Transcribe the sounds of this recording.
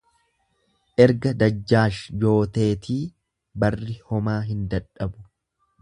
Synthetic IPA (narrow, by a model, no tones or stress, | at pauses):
ʔɛɾɡɐd̪ɐd͡ʒːaːʃjo̞ːt̪e̞ːt̪ʰiː | bɐrːɪhɔmaːɦɪnd̪ɐᶑɐbʊ̥